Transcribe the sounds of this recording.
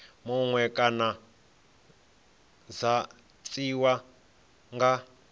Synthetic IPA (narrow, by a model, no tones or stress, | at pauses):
mɔŋwɛkʼana | d͡za | t͡sʼiwa | ŋɡa